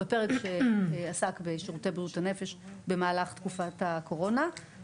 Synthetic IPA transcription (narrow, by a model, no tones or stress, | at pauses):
bepeʁekʃeasakbeʃiʁutejbuthane̞fe̞ʃbe̞maːlaχt̪kufatako̞ʁo̞na